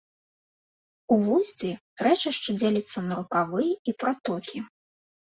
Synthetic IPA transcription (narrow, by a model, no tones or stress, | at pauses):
uvuzʲd͡zʲi | ɾɛt͡ʂɨʂt͡ʂɨd͡zʲelʲɐt̪sːɐnɐɾukavɨjipɾat̪ɔkʲi